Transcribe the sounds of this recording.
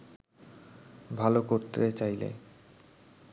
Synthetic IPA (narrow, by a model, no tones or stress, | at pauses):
bʱalokoɾt̪et͡ɕajlḛ